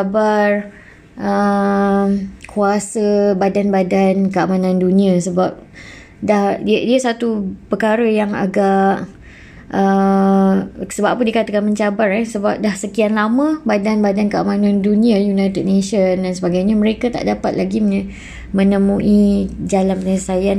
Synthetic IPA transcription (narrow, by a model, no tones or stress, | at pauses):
abar | ʔə | kʰuasəbadanbadankəamanãndunĩasəbap̚ | dahdiasat̪upəkaɾəjaŋa̰ɡaʔ | ʔə | səbappundikat̪akanməɲt͡ʃabarɛsəbap̚dahsəkianlamə̃badanbadankəamanãndunĩajunajt̪əd̚neʃəndansəbaɡajɲaməɾekat̪a̰ʔdapat̪̚laɡiməɲ | mə̃nəmuʔid͡ʒalanpəɲəsajan